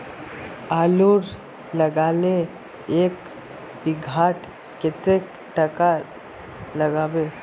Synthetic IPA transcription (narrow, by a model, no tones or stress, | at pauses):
aːluɾ | ləɡaːle | eːk | bɪɡʱaːʈ | kɪt̪ek | ʈəka | ləɡaːbeː